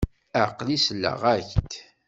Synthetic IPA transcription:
əʕqlisəlːə̰ʁæçt̪

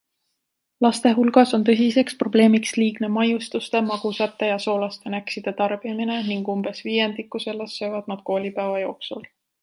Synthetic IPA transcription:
lɑst̪e̞ɦulɡ̥ɑso̞nt̪ɤ̞s̬ise̞kspro̞ble̞ːmiksliːɡne̞mɑjust̪ust̪e̞mɑɡ̥usɑt̪ːˑejɑso̞ːlɑst̪e̞næksid̪̥et̪ɑrb̥iɑmine̞niŋɡ̥umb̥e̞sviːje̞nd̪ikːˑuse̞lːesːø̞jvɑd̪̥̚nɑd̪̥̚ko̞ːlʲipæːvɑjo̞ːksul

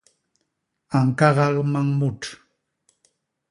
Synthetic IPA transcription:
aŋkɑɢɑʁmaŋmʊʈ͡ʂ

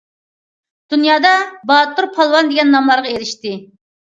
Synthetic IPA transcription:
d̪̥unjɑːd̪ɑbɑt̪uɾpʰɑlˠwɑnd̪ɪɡʲɛnːɑmlˠɑɾʁɑeɾɪʃt̪ɪ

